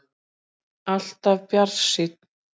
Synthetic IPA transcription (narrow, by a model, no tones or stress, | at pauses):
aɬt̪avpjarʃit̪̚